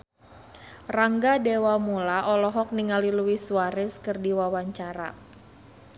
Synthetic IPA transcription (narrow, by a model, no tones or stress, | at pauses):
raŋɡadewamulaʔɔlɔɦɔk̚niŋaliluwisuaɾɪskɨrdiwawaɲt͡ʃaɾa̰